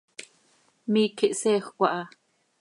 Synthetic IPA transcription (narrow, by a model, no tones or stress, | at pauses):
miːkʰiʔsɛːxkʷɑʔɑ